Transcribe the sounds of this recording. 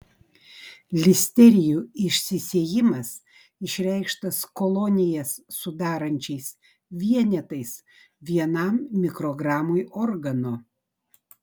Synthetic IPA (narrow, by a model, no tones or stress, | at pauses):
lʲɪsʲt̪ʲɛɾʲɪjuːɪʃʲsʲɪsʲeɛjɪmɐs | ɪʃʲɾʲɛɪkʃt̪ɐskɔlˠɔnʲɪjɛsːʊd̪ɑːɾɐnʲt͡ʃʲɛɪs | ʋʲiɛnʲɛt̪ɐɪs | ʋʲiɛnɐˑmːʲɪkɾɔɡɾɑːmojɔɾɡɐnoː